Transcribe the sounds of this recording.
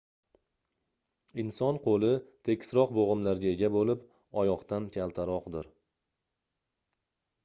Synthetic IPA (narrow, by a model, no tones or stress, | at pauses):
ɪnsɒnqʰolˠɪt̪ʰe̞kʲsɾɒqboʁɨmlaɾɡʲaeɡʲabolɪp | ɒjɒqt̪ʰankʲʰalˠt̪ʰaɾɒqd̪ɪɾ